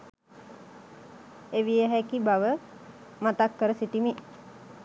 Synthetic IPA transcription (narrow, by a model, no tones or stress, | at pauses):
eʋijəɦækibaʋə | mat̪akːəɾəsit̪imi